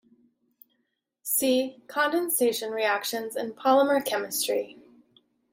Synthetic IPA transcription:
sikʰɑ̃ndɨ̃nseɪʃɨ̃nɹiækʃɨ̃nzɨ̰̃npʰɑlˠəmə˞kʰɛmɨstɹ̥i

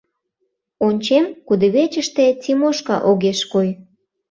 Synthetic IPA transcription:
onʲt͡ɕemkud̪eβet͡ɕəʃt̪et͡simoʃkɑ̰ʔoɣeʃkoj

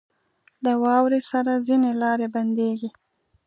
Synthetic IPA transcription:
d̪əwɑwɾesaɾazinelɑɾeband̪eɡi

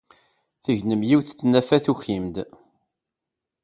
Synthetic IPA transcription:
θəʝnəmjiwθt͡sːnæfæθuçimd̪

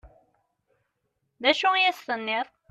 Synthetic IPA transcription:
ðæʃujæsθənːɪðˤ

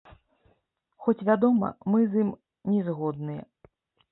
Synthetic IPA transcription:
xɔt͡sʲvʲad̪ɔmɐ̰mɨzɨm | nʲɛzɣɔd̪̚nɨjɛ̰

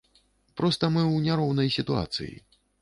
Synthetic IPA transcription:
pɾɔst̪ɐmɨwnʲaɾɔwnɐjsʲit̪ua̰t̪sɨ̰jḭ

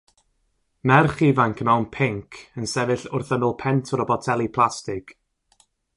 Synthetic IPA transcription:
nɛrχivaŋkʰəmawnpʰɪŋkʰənsɛvɪɬʊrθənɪlˠpʰɛntʰɔɾɔbɔtʰɛlˠipʰlˠastɪɡ̥

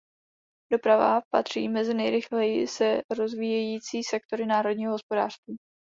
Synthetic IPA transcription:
do̞pɾava̰pa̰t̪r̝̥ḭːmɛzɪnɛjɾɪxlɛjɪ̰sɛɾo̞zviːjɛjiːt͡siːsɛk̚t̪o̞ɾɪnaːɾo̞d̚ɲiːɦoɦospo̞daːr̥st̪viː

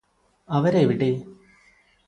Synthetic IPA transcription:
ɐʋɐɾeʋiɽe

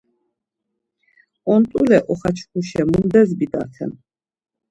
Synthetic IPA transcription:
ɔnt̪ʼulɛʔɔχat͡ʃʰkʰuʃɛmumd̪ɛzbid̪a̰ɾt̪ʰɛ̰n

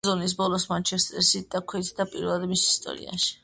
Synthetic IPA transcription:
zɔnis̬bɔlˠɔsmant͡ʃʰɛst̪ʼɛɾsid̪̥akʰwɛt̪ʰd̪apʼiɾvɛlˠad̪misist̪ʼɔ̰ɾḭa̰ʃi̥

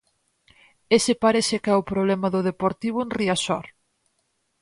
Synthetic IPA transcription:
esɪpaɾeθɪkɛʊpɾoβlɛmɐðʊðepoɾt̪iβ̞ʊenriasɔɾ

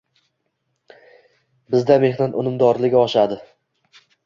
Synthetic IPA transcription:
bɪzd̪ame̞hnat̪ʊnɪmd̪ɒɾlɪɡʲaɒʃad̪ɪ

